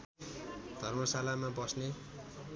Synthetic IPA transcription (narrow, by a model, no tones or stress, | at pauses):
d̪̥ʱʌrmʌsalamabʌsne